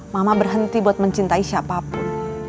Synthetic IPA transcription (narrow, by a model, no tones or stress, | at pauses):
mamabərɦənt̪ibuat̪̚məɲt͡ʃint̪aiʃapap